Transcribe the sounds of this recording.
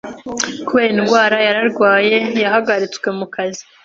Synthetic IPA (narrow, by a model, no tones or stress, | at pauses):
kuweinɡwaːɾajaɾaɾɡwaːje̞jaɦaɡaɾit͡swe̞mukazi